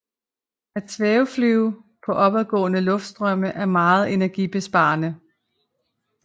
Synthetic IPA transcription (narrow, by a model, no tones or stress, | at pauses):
æ̥t͡sʰʋɛːʊflyʊpʰɒ̽ʔɒ̽b̥æðˠɡ̥ɔ̰̽ːnəlɔ̽fd̥sd̥ʁœm̰əʔæɐmɑ̈ːð̞̩ˠe̝næɐɡ̥ib̥e̝sb̥ɑ̈ːnə